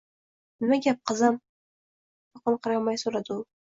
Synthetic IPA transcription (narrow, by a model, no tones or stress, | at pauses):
nɪmaɡʲap̚qɨzam | pɑqɑnqʰɨɾɑmajsoɾad̪ɪʊ